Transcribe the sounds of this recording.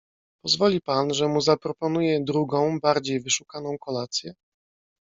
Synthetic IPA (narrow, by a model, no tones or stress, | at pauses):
pɔzvɔlʲipanʐɛmuzapɾɔpɔnujɛd̪ɾuɡɔ̃w̃baɾd͡ʑejvɘʂukanɔ̃w̃kɔlat̪sʲjɛ